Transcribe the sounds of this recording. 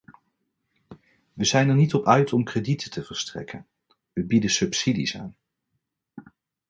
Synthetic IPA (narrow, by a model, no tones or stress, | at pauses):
ʋəzɛjnəɹnitɔpœɥtɔmkreditʰətʰəvəɹstrɛ̰kən | ʋəbidəsɵpsidḭsa̰ːn